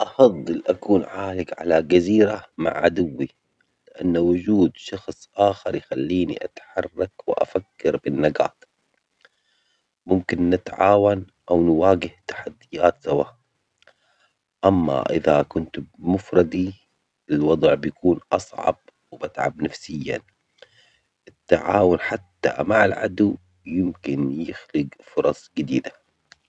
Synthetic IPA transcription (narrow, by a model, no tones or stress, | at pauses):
ʔɑfɑðˤːɨlʔakuːnʕaːlɪɡʕa̰lad͡ʒaziːɾama̰ʕʕad̪ʊwːi | lɪʔa̰nːwʊd͡ʒuːd̪ʃɑxsˤʔaːxɑɾˤjxalːiːnḭʔa̰t̪ħɑrˤːɑkwɪʔa̰fakːɑɾbɪnːaɡa̰ːt̪ | mʊmkɪnːɪt̪ʕaːwan | ʔawnwaːɡɪht̪ḁħad̪ːɪjaːt̪sawaːʔ | ʔamːa̰ʔɪðakʊnt̪mʊfɾˤɑd̪i | ɪlwɑd̪ˤʕbjakuːnʔɑsˤʕɑ̰b̚ | wɪbat̪ʕa̰bnafsɪjːa̰ | ʔɪt̪ːaʕaːwʊnħat̪ːa̰maʕalʕa̰d̪uw | jɪmkɪnjɪxlɪɡfʊɾˤɑsˤɡɪd̪iːd̪a